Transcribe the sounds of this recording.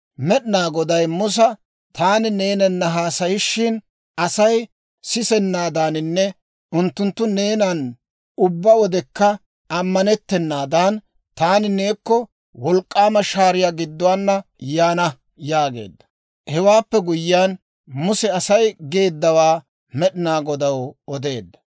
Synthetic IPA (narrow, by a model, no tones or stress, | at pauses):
mɛɗnaːɡɔd̪ɐjmʊs̬ɐ | t̪ʰaːnɪne̞ːnɛnːɐɦaːsɐjɪʃːɪn | ɐsɐj | sɪsɛnːaːd̪aːnɪnːɛ | ʊnt̪ːʊnt̪ːʊne̞ːnɐn | ʊbːɐwɔd̪ɛkːɐ | ɐmːɐnɛt̪ːɛnːaːd̪aːn | t̪aːnɪne̞ːkːɔ | wɔlkʼːaːmɐʃaːɾɪjaːɡɪd̪ːʊwaːnːɐjaːnɐ | jaːɡe̞̰ːd̪ːɐ | hɛwaːpːɛɡʊjːɪaːn | mʊsɛɐsɐjɡe̞ːd̪ːɐwaː | mɛɗɪnaːɡɔd̪ɐwɔd̪e̞̰ːd̪ːɐ̥